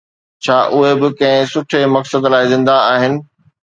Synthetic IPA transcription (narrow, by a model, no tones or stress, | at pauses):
t͡ɕʰaːʔʊɦebɪkɐ̃ɦɪ̃sʊʈʰemɐksəd̪laːɪzɪ̃nd̪aaːɦɪnɪ̆